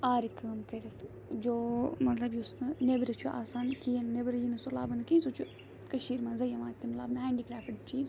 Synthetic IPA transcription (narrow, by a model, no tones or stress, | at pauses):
aːɾikəːmkɐɾit̪ | d͡ʒoːmɐt̪lɐbjusnɨnebɾɐt͡ʃʰuʔa̰ːsaːnkijɐnnebɾɐjinɨsulaːbɨnɨkinsut͡ʃʰu | kɐʃiːɾmaːnzɐjɐmãːnt̪ːimɐt̪la̰ːbnɨɦaːɳɖiːkɾaːfɐʈt͡ʃʰiː